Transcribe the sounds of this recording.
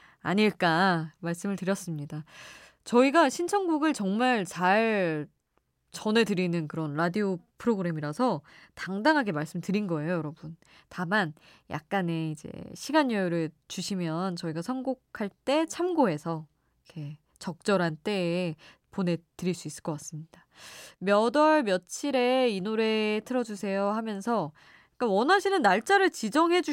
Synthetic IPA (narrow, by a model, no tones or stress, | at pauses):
aɲiɭk͈amaɭs͈ɯmɯɭtɯɾjʌs͈ɯmɲida | t͡ɕʌiɡaɕʰint͡ɕʰʌŋɡuɡɯɭt͡ɕʌŋmaɭt͡ɕaɭ | t͡ɕʌne̞tɯɾinɯnkɯɾʌnɾadiopʰɯɾoɡɯɾe̞miɾasʰʌtaŋdaŋɦaɡe̞maɭs͈ɯmtɯɾinɡʌe̞jojʌɾʌbun | taman | jʔa̰k̚k͈ane̞id͡ʑe̞̰ɕʰiɡanjʌjuɾɯt͡ɕuɕʰimjʌnt͡ɕʌiɡasʰʌnɡokʰaɭt͈e̞t͡ɕʰamɡoɦe̞sʰʌ | ikʰe̞ | t͡ɕʌk̚t͡ɕ͈ʌɾɦant͈e̞ːpone̞tɯɾiɭs͈uis͈ɯɭk͈ʌk͈as͈ɯmɲid̥a | mjʌdʌɭmjʌt͡ɕʰiɾe̞inoɾe̞tʰɯɾʌd͡ʑusʰe̞johamjʌnsʰʌ | k͈anwʌnaɕʰinɯnːaɭt͡ɕ͈aɾɯɭt͡ɕid͡ʑʌŋɦe̞d͡ʑu